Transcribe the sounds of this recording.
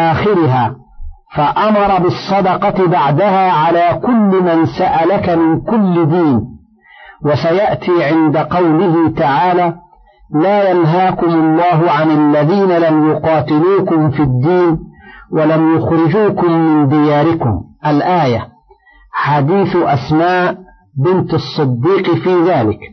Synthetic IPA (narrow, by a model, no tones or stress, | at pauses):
ʔaːxɪɾɪɦaː | faʔamɑɾˤɑbɪsˤːɑd̪ɑqɑt̪ɪbaʕd̪ahaːʕalaːkʊlːmansaʔalakamɪnkʊlːɪd̪iːn | wasajaʔt̪iːʕɪnd̪aqɑwlɪhɪt̪aʕaːlaː | laːjanɦaːkʊmʊlˤːɑːɦʊʕanalːaðiːnalamjʊqɑːt̪ɪluːkʊmfid̪ːiːnwalamjʊxɾɪd͡ʒuːkʊmːɪnd̪ɪjaːɾɪkʊmʔalʔaːja | ħad̪iːθʔasmaːʔ | bɪnt̪ɑsˤːɨd̪ːiːqfiːðaːlɪk